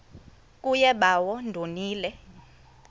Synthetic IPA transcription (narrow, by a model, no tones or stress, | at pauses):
k̬ʼujɛɓawɔndʱoniːlɛ